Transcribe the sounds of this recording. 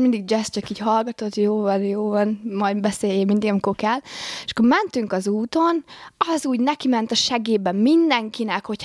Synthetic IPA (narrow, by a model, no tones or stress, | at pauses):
mind̪iɡ̚d͡ʒɛst͡ʃɒkiːcɦɒlɡɒt̪ot̪ːjoːvɒnjoːvɒnmɒjbɛseːjemind̪iɡɒmiko̞rkɛleʃkːomɛnt̪yŋkɒzuːt̪o̞nɒzuːɟnɛkimɛnt̪ɒʃɛɡeːbɛmːind̪ɛŋkinɛkho̞cʰ